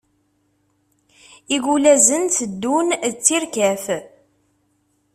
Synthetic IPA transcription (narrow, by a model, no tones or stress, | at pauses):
iɡulæzənt̪əd̪ːunt͡sːiɾkæf